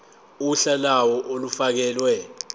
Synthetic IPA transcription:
uuɬalawɔʔolufak̬ɛːlwɛ

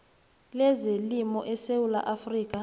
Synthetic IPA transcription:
lɛzelimɔʔɛsewula̰ʔafriːkʼa

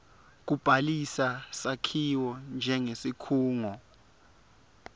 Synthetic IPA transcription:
k̬ub̥ʱalisasakʰiwɔnd͡ʒʱɛŋesikʰuːŋɔ

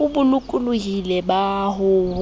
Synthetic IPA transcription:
ʊbʊlʊkʼʊlʊɦilɛbaɦʊ

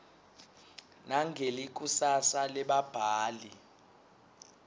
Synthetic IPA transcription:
naŋɡʱelik̬ʼusasalɛɓab̥ʱaːli

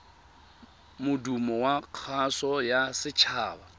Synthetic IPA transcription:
mʊdumɔwaq͡χʰasɔjasɪt͡ʃʰaːba

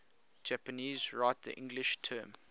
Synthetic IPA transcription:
d͡ʒæpəniːzɹaɪt̚ðə̰ʔɪ̰̃ŋɡlɪʃtʰɜːm

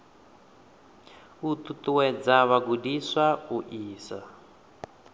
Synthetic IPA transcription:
ut̪ut̪uwɛd͡zaβaɡudiswauʔiːsa

